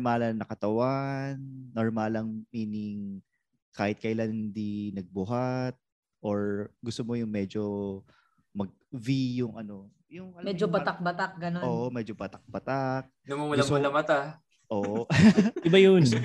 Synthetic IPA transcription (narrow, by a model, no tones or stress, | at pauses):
malɐnɐkɐt̪ɐwanːoɹmalɐŋmiːnɪŋ | kaːhɪt̪̚kɐʔɪlanhɪnd̪inɐɡ̚bʊɦat̪̚ | ʔoɹɡʊst̪omo̞jʊŋmɛd͡ʒo | mɐɡ̚vijʊŋʔɐno̞ | jʊŋɐmɛd͡ʒobɐt̪ak̚bɐt̪ak̚ɡɐnooːʔomɛd͡ʒobɐt̪ɐk̚bɐt̪ak̚nɐmumʊllaʊlɐmɐt̪a | ʔoːʔoʔɪbajon